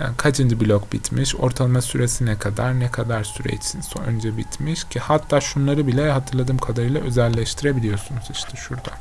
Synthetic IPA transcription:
ja̰ːnkʰat͡ʃʰɯnd̪ibilʲokbit̪ʰmiʃo̞̰ɾt̪ʰalˠamasyɾesinɛkʰad̪aɾnɛkʰad̪aɾsyɾɛ̰t͡ʃsinso̰ø̰nd͡ʒɛbit̪miʃcʰihat̪ʰːaːʃunlˠaɾɯbilʲɛhat̪ʰɯɾlˠad̪ɯːmkʰad̪aɾɯjlˠaø̞zɛlʲːɛʃt̪ʰiɾebilʲijo̞sunuz̥iʃt̪ʰɪʃuɾd̪a

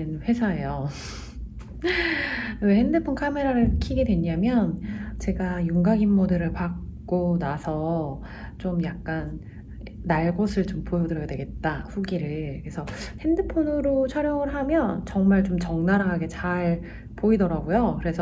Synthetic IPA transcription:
ɯnɸwe̞sʰae̞jo | wehe̞ndɯpʰonkʰame̞ɾaɾɯɭkʰiɡe̞dwe̞ɲamjʌnt͡ɕe̞ɡajuŋɡaɡinːodɯɾɯɭpak̚k͈onasʰʌ | t͡ɕomjak̚k͈anː | aɭɡosʰɯɭt͡ɕompojʌdɯɾʌjadwe̞ɡe̞t̚t͈aɸuɡiɾɯɭkɯɾesʰʌhe̞ndɯpʰonɯɾot͡ɕʰʌɾjʌŋɯɭɦamjʌnt͡ɕʌŋmaɭt͡ɕomt͡ɕʌŋnaɾaɦaɡe̞t͡ɕaɭ | poidʌɾaɡojokɯɾe̞sʰʌ

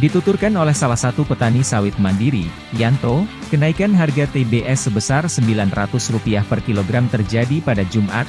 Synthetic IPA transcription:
dit̪ut̪urkanolɛhsalahsat̪upət̪anisawɪt̪̚mandiɾḭ | jant̪okənaikanɦarɡat̪ebeʔɛsːəbəsarsəmbilanrat̪ʊsrupiahpərkiloɡɾamt̪ərd͡ʒadipadad͡ʒumʔa̰t̪̚

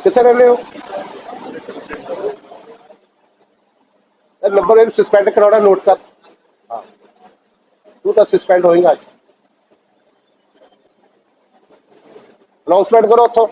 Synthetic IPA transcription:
kɪt̪ʰːeɾɛ̃ːneoː | enə̃mbəɾeːɾsəspɛ̃ːɳɖkəɾaːɽanoːʈkəɾ | ɦã̰ː | t̪ũːt̪ãsəspɛ̃ːɳɖɦoːĩːŋɡaːd͡ʒ | ənaːʊnsmẽɳʈkəɾot̪ʰːoː

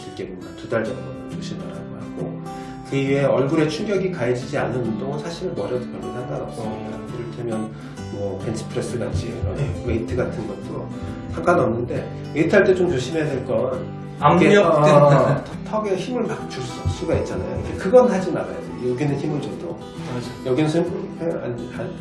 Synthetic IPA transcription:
t͡ɕik͈ededatudaɭd͡ʑʌŋdoot͡ɕoɕʰima̰ɾa̰ɡaɦaɡo | kɯɥie̞ʌɭɡuɾe̞t͡ɕʰuŋɡjʌɡikaed͡ʑid͡ʑia̰nːɯnundoŋɯnsʰaɕʰiɾɯnbʌɾjʌdɯk͈ʌɭɡinhandaɾaɡo | kɯɾʌtʰemjʌn | mʌpʰensʰɯ̥pʰɯɾe̞s͈ɯɡa̰t͡ɕʰiiɾʌneitʰɯɡatʰɯnɡʌt̚t͈o | sʰaŋk͈ʰanʌmnːɯnde̞ | eitʰɯɦaɭt͈et͡ɕomt͡ɕoɕʰimesʰeɭk͈ʌn | keʌ | tʰtʰʌɡeçimɯɭpakt͡ɕus͈s͈uɡait̚t͡ɕ͈ana̰jo̰ikʰekɯɡʌnnad͡ʑina̰ɾa̰jʌdojoɡinɯnçimɯɭd͡ʑʌdo | jʌɡinɯnsʰeea̰n | a

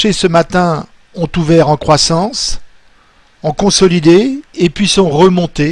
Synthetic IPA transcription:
esəmat̪ɛ̃ | ɔ̃t̪uvɛʁɑ̃kχwasɑ̃s | ɑ̃kɔ̃sɔlid̪eːpɥisɔ̃ʁəmɔ̃t̪e

